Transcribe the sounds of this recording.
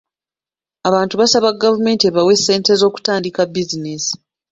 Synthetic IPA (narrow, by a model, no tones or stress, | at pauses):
aβaːntuβasaβaɡːavume̞ːntie̞βawe̞sːe̞ːnte̞zo̞ːku̥taːndikabːizinesi̥